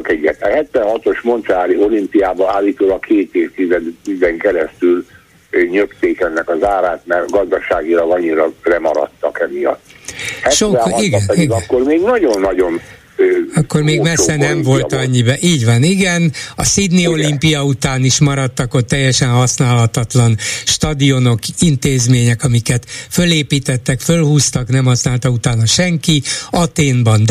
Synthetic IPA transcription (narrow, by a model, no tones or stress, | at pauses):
kɛɟːɛt̪hɛt̪ʋɛnhɒt̪o̞ʃmo̞nt̪sɛaːlio̞limpijaːbɒaːlːiːt̪oːlɒkʰeːt̪eːft̪izɛizɛŋkɛɾɛst̪yl | ɲøkt̪eːkɛnːɛkɒzaːɾaːt̪mɛrɡɒzd̪ɒʃaːɡilɒɡɒɲːiɾɒlɛmɒɾɒ̰t̪ːɒkɛmijɒ̰t̪ːhɛʃoɛ̃iɡɛnpɛiɡɒnkːormeːɡnɒɟo̞nːɒɟo̞nː | ɒkːo̞rmeːɡmɛsːɛnɛmvo̞lt̪ɒɲːibɛʔiːɟʋɒniɡɛnɒ̰sid̪nio̞limpijɒut̪aːniʃmɒɾɒt̪ːɒkot̪ːɛjːɛʃɛnhɒsnaːlɒt̪ɒt̪lɒnʃt̪ɒd̪io̞no̞kint̪eːzmeːɲɛkɒmikɛt̪fø̞leːpiːt̪ɛt̪ːɛkfølhuːst̪ɒknɛmhɒsnaːlt̪ɒut̪aːnɒʃɛŋkiɒt̪eːnbɒnd̪